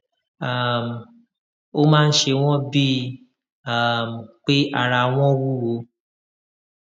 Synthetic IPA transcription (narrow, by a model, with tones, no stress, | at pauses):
a˦˨m˨ | o˦mãː˦n̩˦ʃe˧w̃ɔ̃˦bi˦ | a˦˨m̩˨k͡pe˦ʔa˧ɾa˧w̃ɔ̃˦wu˦wo˨˦